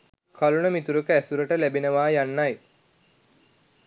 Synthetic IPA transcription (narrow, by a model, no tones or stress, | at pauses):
kʰalunəmit̪uɾəkəæsuɾəʈəlæbinəʋaːjanːaj